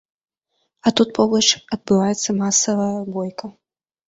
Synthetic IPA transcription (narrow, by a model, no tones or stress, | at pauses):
ɐt̪ut̪̚pʰɔblˠɐt͡ʂɐd̪̚bɨvajɛt̪sːɐmasɐvɐjɐbɔjkɐ